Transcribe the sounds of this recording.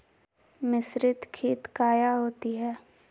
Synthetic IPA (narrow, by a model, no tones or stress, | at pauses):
mɪsɾɪt̪kʰiːt̪kaːjaɦoːt̪iɦɛː